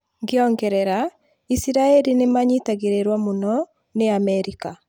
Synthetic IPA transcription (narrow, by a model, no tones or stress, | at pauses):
ŋɡeɔŋɡɛɾɛɾa | isiɾaɛlinemaɲitaɣeɾeɾwamonɔ | neamɛɾika